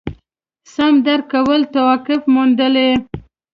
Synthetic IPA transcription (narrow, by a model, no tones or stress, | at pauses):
samd̪aɾkawəlt̪awɑkɪfmund̪əle